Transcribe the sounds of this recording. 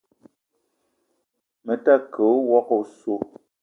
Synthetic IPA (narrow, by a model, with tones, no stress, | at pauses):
mə˨ta˦˨kʰə˨˦wɔ˦ko˨so˦˨